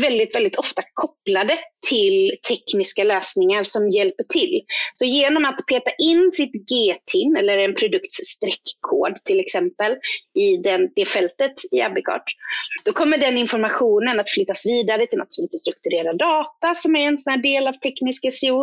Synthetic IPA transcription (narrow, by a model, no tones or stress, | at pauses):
vɛld̪ɪt̪vɛld̪ɪt̪ʰɔft̪akʰɔplad̪ət̪ʰɪlt̪ʰɛknɪskaløːsnɪŋaɾsɔmjɛlpəʈʰɪlsɔjeːnɔmat̪pʰeːt̪aʔɪnːsɪt̪ɡeːt̪ʰɪnɛlːəɾɛnpʰɾʊd̪ɵkt̪sst̪ɾɛkʰːo̰ːd̪t̪ʰɪlɛksɛmpəlɪd̪ɛnd̪̥ɛfɛlt̪ət̪ɪabːɪkʰɑ̰ːʈd̪̥ɔkʰɔmːəɖɛnɪnfɔɾmaɧuːnənat̪flʏt̪ːasviːd̪aɾət̪ʰɪlɔ̰t̪ːsɔmɪnt̪əst̪ɾɵk̚t̪ɵɾeːɾadɑːt̪asɔmæɾɛnsɔnæːɖeːlavt̪ʰɛknɪskasɪuː